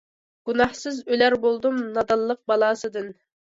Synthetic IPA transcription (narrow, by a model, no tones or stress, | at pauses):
ɡ̥unɑhsɨzølæɾbolˠd̪umnɑd̪ɑlˠːəq̚bɑlˠɑːsɨd̪ɨn